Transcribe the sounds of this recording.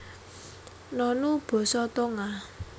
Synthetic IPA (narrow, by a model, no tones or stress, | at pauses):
nɔnub̥ɔ̤sɔt̪ɔŋa